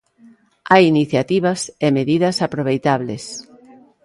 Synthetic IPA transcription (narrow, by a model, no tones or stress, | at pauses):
ajiniθjat̪iβɐsemeðiðɐsapɾoβ̞ejt̪aβlḛs